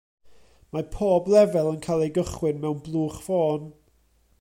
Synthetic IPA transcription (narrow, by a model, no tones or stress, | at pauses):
mapʰoːblˠɛvɛlˠənkʰajlˠejɡəχwɪnmɛwnblˠuːχfoːn